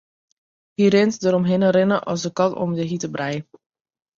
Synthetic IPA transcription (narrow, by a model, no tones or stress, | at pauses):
hirɪntdəɾɔmɦɪnərɪnəʔɔ̰sdəkɑnɔ̰mdəɦitəbrɛj